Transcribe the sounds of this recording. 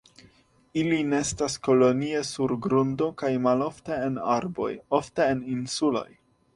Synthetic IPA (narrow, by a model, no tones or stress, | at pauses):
ilineestasko̞lo̞nie̞suɾɡɾundo̞kajmalo̞fteenaɾbo̞̰jo̞fte̞ːninsulo̞̰j